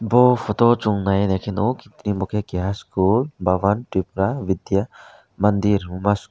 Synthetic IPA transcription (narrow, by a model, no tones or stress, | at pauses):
bɔpʰɔt̪ɔt͡ʃuŋnajnekʰinowkit̪nimukʰekiɦaskulbaʋanʈip̚ɾaʋid̪ja | mɐnd̪iɾmumas